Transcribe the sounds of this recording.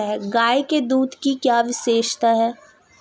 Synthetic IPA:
ɦɛːɡaːjked̪uːd̪ʱkikjaːʋɪʃeːʃt̪aɦɛː

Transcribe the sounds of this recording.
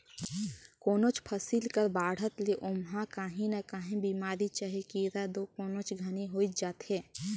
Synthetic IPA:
koːnot͡ʃpʰəsilkəɾbaːɽ̤ət̪leʔomɦãkaːɦinəkaːɦẽbiːmaːɾit͡ʃəɦikiɾad̪okoːnot͡ʃɡʱəniɦoːit̪̚d͡ʒaːt̪hẽː

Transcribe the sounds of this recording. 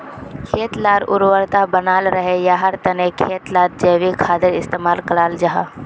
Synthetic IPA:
kʰeːt̪laːɾʊ̰ɾwəɾt̪abənaːlɾəɦejaɦəɾt̪ənekʰeːt̪laːɾ̚d͡ʒeːʋikʰaːd̪əɾɪst̪eːmaːlkəlaːld͡ʒaɦaː

